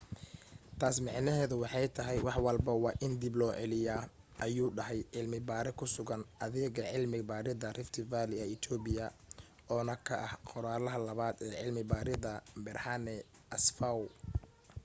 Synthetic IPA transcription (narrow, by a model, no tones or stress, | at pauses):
t̪ʰaːsmɑʕnɐɦɛːðʊwɑħɑjt̪ʰɐɦɛjwɑħwɑlbɐwɑːʔɪnd̪iblɔːʕɛlɪjaː | ʔɐjuːɖɐɦɛjʕɪlmɪbaːɾɛkʰʊsʊɣɐnʔɐðɛːɣɐʕɪlmɪbaːɾɪðɐrɪft̪ʰɪvaːlɪɐɪt̪ʰɔːbɪjɐ | ʔɔːnɐkʰɐʔɐhqɔɾaːlɐɦɐlɐβaːd̪ɛːʕɪlmɪbaːɾɪðɐbɪrhanɛ | ɐsfaw